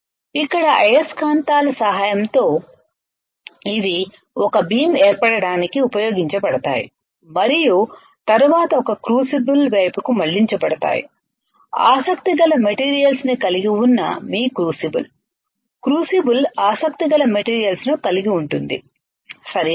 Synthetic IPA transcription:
ikːɐɽɐʔɐjɐskaːnt̪aːlɐsɐɦaːjɐmt̪o̞ː | id̪i | ɔkɐbiːmɛːɾpɐɽɐɽaːnikiupɐjo̞ːɡiɲt͡ʃɐpɐɽɐt̪a̰ːjḭ | mɐɾiju | t̪ɐɾuʋaːt̪ɐɔkɐkɾuːsibulʋɐjpukumɐɭːiɲt͡ʃɐpɐɽɐt̪a̰ːjḭ | a̰ːsɐkt̪iɡɐlɐmeʈiːɾijɐlsnikɐliɡiunːɐ̰miːkɾuːsibṵl | kɾuːsibulaːsɐk̚t̪iɡɐlɐmeʈiːɾijɐlsnukɐliɡiuɳʈund̪ḭ | sɐɾ

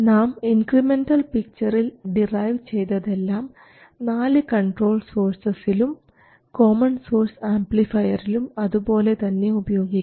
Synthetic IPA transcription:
naːminkrime̞nɖɐlpik̚t͡ɕɐrilɖirɐjʋt͡ɕe̞jt̪ɐðe̞lːaːm | naːlɨkɐɳʈro̞ːlso̞ːrsɐsilum | ko̞ːmɐnso̞ːrsaːmplifɐjɐrilumɐðubo̞ːle̞t̪ɐnːe̞ubɐjo̞ːɡikː

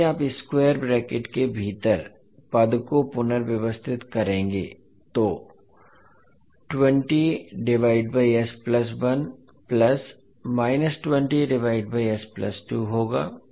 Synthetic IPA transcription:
aːpɪskweːəɾbɾɛːkeʈkebʱiːt̪əɾ | pɐd̪kopʊnəɾʋjɐʋəst̪ʰɪt̪kɐɾẽːŋɡḛ | t̪oː | ʈwə̃ɳʈiɖɪʋaːɪɖ̚baːiɛsplɐs̬ʋɐn | plɐs | maːɪnəsʈwə̃ɳʈiɖɪʋaːɪɖbaiɛsplɐ̰sʈuːɦoːɡa̰ː

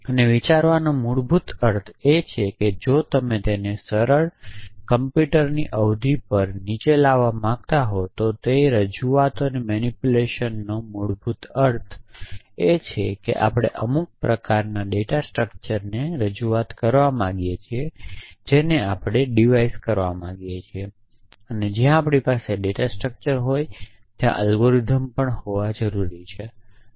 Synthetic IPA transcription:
əneʋit͡ʃaɾʋanomuɽbʱut̪əɾt̪ʰet͡ʃʰeked͡ʒot̪əmet̪enesəɾəɭkəmpjuʈəɾniʔəʋd̪ʱipəɾnit͡ʃelaʋamãɡ̚t̪aɦot̪ot̪eɾəd͡ʒuat̪ənemɛnipuleʃənːomuɽbʱut̪əɾt̪ʰ | et͡ʃʰekḛʔa̰pɽ̃ḛʔəmuk̚pɾəkaɾnaɖeʈasʈɾək̚t͡ʃəɾneɾəd͡ʒuat̪kəɾʋamãɡjet͡ʃʰied͡ʒeneapɽ̃eɖiʋaiskəɾʋamãɡjet͡ʃʰie | əned͡ʒjãːpɽipaseɖeʈasʈɾək̚t͡ʃəɾɦoj | t̪jã̰ʔəlɡoɾid̪ʱəmpəɳhoʋad͡ʒəɾuɾit͡ʃʰe

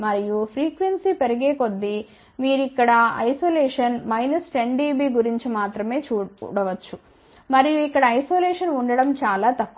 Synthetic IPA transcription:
mɐɾijupʰɾiːkʋensiːpeɾɐɡeːko̞d̪ːi | miːɾikːɐɽɐɐ̰jsoːlɛːʂɐnmɐjnɐsʈeɳɖiːbiːɡuɾiɲt͡ʃimaːt̪ɾɐme̞ːt͡ʃuːɽɐʋɐt͡ʃːu | mɐɾijuikːɐɽɐːjsoːlɛːʂɐnuɳɖɐɽɐmt͡ʃaːlaːt̪ɐkː

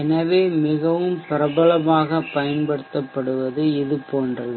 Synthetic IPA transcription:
ɛnɐʋeːmɪɣɐʋɯmpɪɾɐbɐɭɐmaːɣɐpɐjɐnbɐɽɯt̪ːɐpːɐɽɯʋɐðɯɪðɯpoːndrɐ

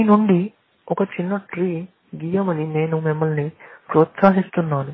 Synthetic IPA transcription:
inuɳɖi | ɔkɐt͡ʃinːɐʈɾiː | ɡiːjɐmɐnine̞ːnumimːɐɭnipɾoːt̪saːɦist̪unːaːnu

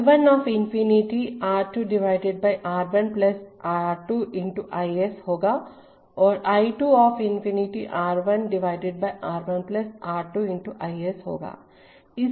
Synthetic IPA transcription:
ʋənɔːfʰɪnfiniʈiaːɾʈuɖɪʋaːɪɖeɖ̚baːɪʔaːɾbənplɐsaːɾʈuʔɪ̃ɳʈuʔaːieshoːɡaː | ɔːɾaːiʈuːɔːfʰɪnfiniʈiʔaːɾʋənɖɪʋaːɪɖeɖ̚baːjʔaːɾbənplɐsaːɾʈuɪ̃ɳʈuʔaːiesɦo̰ːɡa̰ː | ɪ

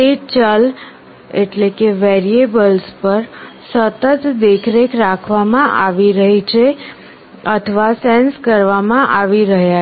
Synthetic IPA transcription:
et͡ʃəl | ḛʈlekeʋeɾiebəlspəɾsət̪ət̪d̪ekʰɾekʰɾakʰʋamãʔaʋiɾəɦit͡ʃʰe | ət̪ʰəʋasenskəɾʋamãʔaʋiɾəɦja

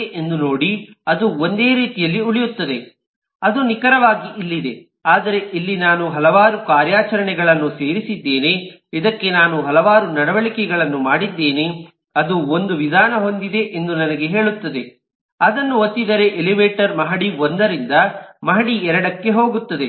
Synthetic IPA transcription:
ʔend̪uno̞ːɽiɐd̪uond̪e̞ːɾiːt̪ijɐlːiuɭijut̪ːɐd̪e | ɐd̪unikɐɾɐʋaːɡiʔilːid̪e̞ | aːd̪ɐɾe̞ʔilːinaːnuɦɐlɐʋaːɾukaːɾjaːt͡ʃɐɾɐɳɛɡɐɭɐnːuse̞ːɾisid̪ːe̞ːne̞ | id̪ɐkːe̞naːnuɦɐlɐʋaːɾunɐɽɐʋɐɭikɛɡɐɭɐnːumaːɽid̪ːe̞ːne | ɐd̪uond̪uʋid̪ʱaːnɐɦo̞nd̪id̪e̞ʔend̪unɐnɐɡe̞ɦe̞ːɭut̪ːɐd̪e̞ | ɐd̪ɐnːuot̪ːid̪ɐɾe̞ʔeliʋeːʈɐɾmɐɦɐɽiond̪ɐɾind̪ɐmɐɦɐɽiɛɾɐɽɐkːe̞ɦo̞ːɡut̪ːɐd̪e

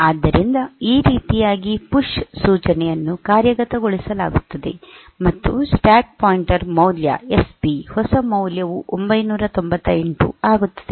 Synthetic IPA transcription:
aːd̪ːɐɾind̪ɐiːɾiːt̪ijaːɡipuʂsuːt͡ʃɐnɛjɐnːukaːɾjɐɡɐt̪ɐɡoɭisɐla̰ːɡut̪ːɐd̪e̞ | mɐt̪ːṵsʈaːk̚paːjiɳʈɐɾmɐwljɐ̰esbihɔsɐmɐwljɐʋuʔombɐjnuːɾɐt̪o̞mbɐt̪ːɐeɳʈṵaːɡut̪ːɐ̥d̪̥e

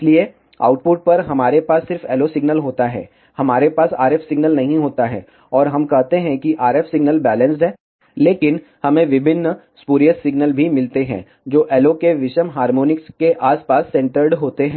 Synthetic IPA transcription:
slie | a̰ːʊʈ̚pʊʈ̚pɐɾɦɐmaːɾepaːsːɪɾfɛːlosɪɡnəlɦoːt̪aɦɛ̰ː | hɐmaːɾepaːsa̰ːɾɛːfsɪɡnəlnɐɦĩɦoːt̪aɦɛ̰ː | ɔːɾɦɐmkɛɦt̪eɦɛ̃kiʔaːɾɛːfsɪɡnəlbɛːlə̃nsʈɦɛː | leːkɪn | hɐmẽʋɪbʱɪnːə | spuːɾijəsːɪɡnəlbʱimɪlt̪eɦɛ̰̃ː | d͡ʒoːʔɛːlokeʋɪʃəmɦaːɾmoːnɪkskeʔaːspaːsːɛ̃ɳʈəɾɖɦoːt̪eɦɛ̃ː

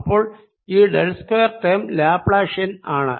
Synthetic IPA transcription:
pːoːɭ | iːɖelskojɐrt̪ɐmlaːpɭaːʂɐnaːɳɐ̰

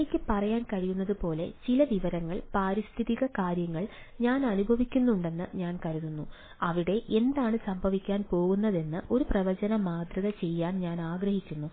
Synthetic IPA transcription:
ekʲːɨpɐrɐjaːnkɐɻijunːɐðɨpo̞ːle̞̰t͡ɕilɐʋiʋɐɾɐŋːɐɭpaːɾist̪ʰiðiɣɐkaːɾjɐŋːɐɭ | ɲaːnɐnubʱɐʋikʲːunːuɳɖe̞nːɨɲaːnkɐɾununːu | ɐʋiɽe̞ʔe̞nd̪aːɳɨsɐmbʱɐʋikʲːaːnpo̞ːɣunːɐðe̞nːɨʔo̞ɾuprɐʋɐd͡ʑɐnɐmaːd̪ɾɐðɐt͡ɕe̞jːaːnɲaːnaːɡɾɐhikʲːunːu

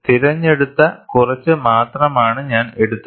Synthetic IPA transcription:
t̪iɾɐɲːe̞ɽut̪ːɐkurɐt͡ɕːɨmaːt̪rɐmaːɳɨɲaːne̞ɽut̪ːɐ

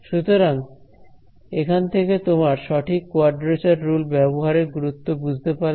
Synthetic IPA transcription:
ʃut̪oɾaŋ | ekʰant̪ʰeket̪omaɾʃɔʈʰikːoaɾʈɾet͡ʃaɾɾulbɛboɦaɾeɾɡuɾut̪ːobud͡ʑʱt̪epaɾ

